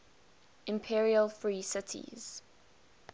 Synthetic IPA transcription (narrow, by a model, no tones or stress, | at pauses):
ʔɪ̃mpʰiɹiəlˠfɹiːsɪtʰḭz̥